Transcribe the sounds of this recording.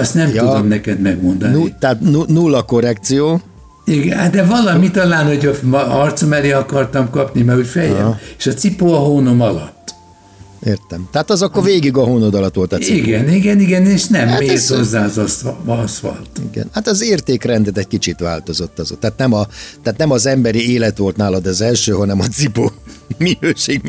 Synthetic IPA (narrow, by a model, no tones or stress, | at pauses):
ɒst̪nɛmjudo̞mnɛkɛd̪mɛɡmo̞nd̪ɔnuit̪at̪nunulːɒko̞rɛk̚t̪sijoː | iɡɛad̪ɛvɒlɒmit̪ɒlaːnhoɟɒfmɒrt̪somɛleːɒkɒrt̪ɒmkɒpnimɛɾucfɛjɛ̰eʃɒt̪sipoɒɦoːnomɒlɒt̪ː | eːrt̪ɛmt̪ɛɦaːt̪ɒzɒkːorveːɡiɡɒɦoːnod̪ɒlɒt̪ʋo̞lt̪ɒsiɡɛniɡɛniɡɛneːʃnɛmːeːt̪hozːaːzssʋɒ̰lt̪iɡɛ̰nhat̪ɒzeːrt̪eːkrɛnd̪ɛt̪ɛc̚kit͡ʃit̪ʋa̰ːlt̪o̞zo̞t̪ːɒzo̰t̪ːaːt̪nɛmɒt̪aːt̪nɛmɒzɛmbɛɾieːlɛt̪ʋo̞lt̪naːlɒd̪ɛːzɛlʃøːɦɒnɛmɒt̪sipoːminøːʃeːɡm